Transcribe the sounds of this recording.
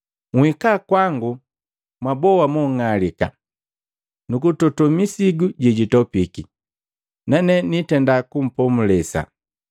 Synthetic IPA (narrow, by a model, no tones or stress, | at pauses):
ŋhikakwaŋɡu | mwabɔwamɔŋalika̰ | nukutɔtɔmisiɡuɟiɟitɔpiki | nanɛnitɛndakum̩pɔmulɛsa̰